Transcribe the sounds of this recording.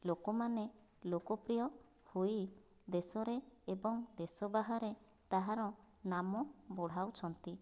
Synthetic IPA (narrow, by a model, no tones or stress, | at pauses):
lokɔmane | lokɔpɾijɔ | huj | d̪esɔɾeːbɔŋd̪esɔbaɦaɾe | t̪aɦaɾɔ | namɔbɔɽ̤awt͡ʃʰɔnt̪i